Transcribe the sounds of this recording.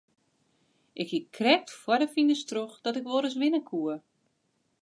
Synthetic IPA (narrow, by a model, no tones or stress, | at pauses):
ʔɪkhikʰrɛk̚tfwɔdəfindəstroxd̥ɔtɪkʋoɾəsʋɪnəkʰuə